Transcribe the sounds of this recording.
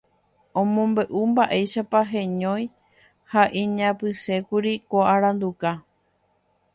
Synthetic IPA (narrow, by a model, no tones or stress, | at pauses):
õmõ̞mbe̞ʔumbaʔe̞jʃapaɦẽɲõ̞j̃ | haʔĩɲãpɨse̞kuɾikoaɾãnd̪uka